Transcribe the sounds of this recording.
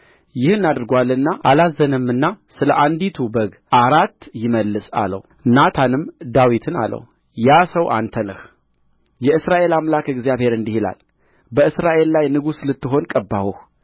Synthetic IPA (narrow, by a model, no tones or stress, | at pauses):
jɪhɨnːad̪ɨɾɡwalːɨnːaʔalazənɨmːɨnːasɨləʔand̪it̪ʰubəɡ | ʔaɾat̪ːjɪməlːɨsʼa̰lə̰w | nat̪ʰanɨmd̪awit̪ʰɨna̰lːə̰w | jasəwʔa̰nt̪ʰənɨh | jɛɨsɾaʔe̞lamlakɨɡzijaβhe̞ɾɨnd̪ihila̰l | bəɨsɾaʔe̞lːajnɨɡuslɨt̪ːɨɦo̞nkʼəbːa̰huh